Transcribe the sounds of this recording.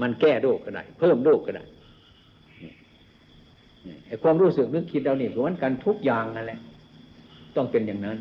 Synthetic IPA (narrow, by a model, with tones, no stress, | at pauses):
ma˧˥˨nkɛː˧˩doː˥˩kʰːa˧˩da̰ː˧˩jpʰɤː˥˩mdoː˧˩kʰːa˧˩da̰ː˧˩j | nɛ˧˩ | nɛ˧˩ʔa˧˨˩jkʰuː˧əmɾuː˧˥˩sɯ˨˩k̚nɯ˧˥˨ŋkʰi˧t̪̚ɾa˧wniː˧˩kʰɯ˧˩˦ma˧˥˨nka˧nt̪ʰu˦˥k̚jaː˨ŋha˧nlɛ˧ʔ | t̪ɔ˧˩ŋpe˧˨njaː˨˩ŋna˦˥n